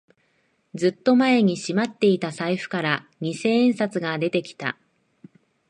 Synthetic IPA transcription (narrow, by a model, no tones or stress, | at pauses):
d͡zɨt̪ːo̞mae̞ɲ̟iɕimat̪ːe̞it̪asaiɸɯ̟̥kaɾaɲ̟ise̞ːẽɰ̃sat͡sɨɡad̪e̞t̪e̞kʲi̥t̪a̰